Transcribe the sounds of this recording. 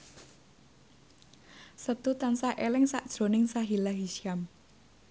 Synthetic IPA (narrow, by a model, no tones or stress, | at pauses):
sət̪ut̪ansaʔelɪŋsaʔd̥ʒ̥ɾo̤nɪŋsaɦilaɦiʃiam